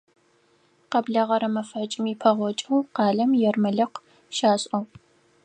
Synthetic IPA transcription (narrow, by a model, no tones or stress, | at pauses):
qɐbɮɐʁɐɾɐmɐfɐt͡ʃʼɪmipʰɐʁʷɔt͡ʃʼɐwqɑːɮɐmjɛrmɨɮɐqʷ | ʃaːɕʼɐw